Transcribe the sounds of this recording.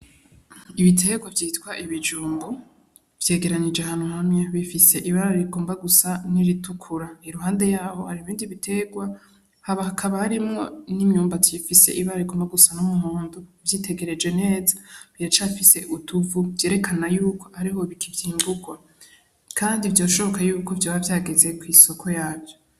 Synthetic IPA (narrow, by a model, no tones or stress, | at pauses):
iβitʰe̞ɡwavjiːtwaʔiβid͡ʒuːmbu | v̥je̞ːɡe̞ɾaɲid͡ʒehaːnuhamɲaβifise̞ʔiβaɾaɾiɡo̞ːmbaɡusaniɾitukʰuɾaheɾuɦaːnde̞jaːho̞haɾiβiːndiβitʰe̞ɡwa | haβahakʰaβahaɾimŋo̞nimɲuːmbatifise̞̰ʔiβaɾaɾiɡo̞ːmbaɡusanumuhuːnduvjiːtʰe̞ɡe̞ɾe̞d͡ʒwe̞ne̞ːzaβiɾat͡ʃafise̞ʔutʰuvuvje̞ːɾe̞kʰanajuːko̞̥haɾiɦo̞βikʰivjiːmbuɡwa | kʰaːndivjo̞ːʃo̞βo̞kajuːko̞vjoβavjaːɡeze̞kwiso̞kʰo̞jaːvjo